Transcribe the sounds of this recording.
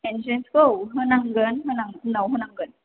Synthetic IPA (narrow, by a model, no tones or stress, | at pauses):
ɛnd͡ʒənskəɦənaŋɡənɦənaŋnawɦənaŋɡən